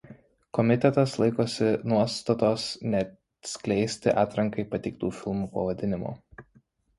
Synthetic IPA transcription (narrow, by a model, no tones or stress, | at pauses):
kɔmʲɪt̪ʲɛt̪ɐslˠɐɪkoːsʲɪnuɔst̪ɐt̪oːsnʲɛt̪ | sʲkʲlʲɛɪsʲt̪ʲɪʔɑːt̪ɾɐŋkɐɪpɐt̪ʲɛɪk̚t̪uːfʲɪlˠmuːpɐʋɐd̪ʲɪnʲɪmo̰ː